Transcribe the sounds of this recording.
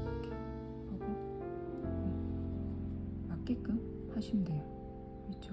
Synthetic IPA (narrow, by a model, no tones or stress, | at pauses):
kʰe | haɡo | mak͈ek͈ɯm | haɕʰimdejo | kɯɾɯt͡ɕʰo